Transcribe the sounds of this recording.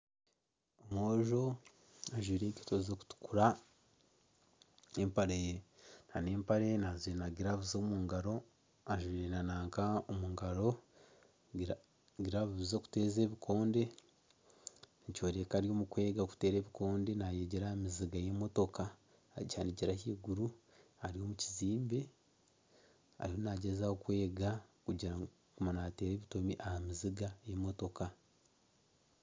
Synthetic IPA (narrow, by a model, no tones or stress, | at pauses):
omoːʒo̞ | aʒwiːɾe̞ːɟitozoku̥tu̥kuɾa | empaɾejenhaneːmpaɾenazinaɡiɾaβuzomuŋɡaɾo̞ | aʒwiːɾenanaːŋkaomuŋɡaɾo̞ | ɡiɾaβuβizo̞ku̥te̞ːze̞ːβikʰo̞ːnde̞ | nico̞ːɾekaɾjo̞ːmukwe̞ːɡaku̥te̞ːɾe̞ːβiko̞ːnde̞najeɟeɾahamiziɡaje̞mo̞to̞ka | caːniɟeɾahiːɡuɾu | aɾijo̞ːmuciziːmbe | a̰ɾiho̞naɟe̞zaokwe̞ːɡakuɟiɾa | kumanate̞ːɾe̞ːβito̞miʔahamiziɡajemo̞to̞ka